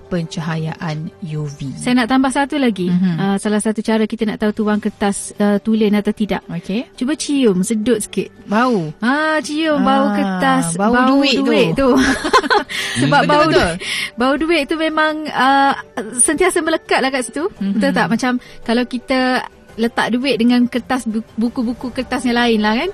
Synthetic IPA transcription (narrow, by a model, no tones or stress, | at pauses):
pəɲt͡ʃəɦajaʔanjovisajanaʔt̪ambahsat̪ulaɡiəsalahsat̪ut͡ʃaɾəkit̪ənaʔt̪aut̪uwaŋkət̪asət̪ulənat̪awt̪ida̰ʔoket͡ʃubət͡ʃiʊmsədʊt̪̚sə̥kɪt̪̚bauat͡ʃiʊmbaukət̪asabaduɪduɪʔt̪u | səbap̚baaubauduɪʔ̚t̪umẽmaŋə | sənt̪iasəmbələkaʔ̪lahkaʔsit̪uiət̪aʔmat͡ʃamkalawkit̪ə | lət̪a̰ʔ̚duɪʔ̪̚dəŋankərt̪asbukubukukərt̪asɲãlaɪnlahkan